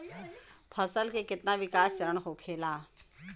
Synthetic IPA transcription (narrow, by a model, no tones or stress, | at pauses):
pʰəsəlkekɪt̪naʋɪkaːst͡ʃəɾəɳ̃ɦokʰeːlaː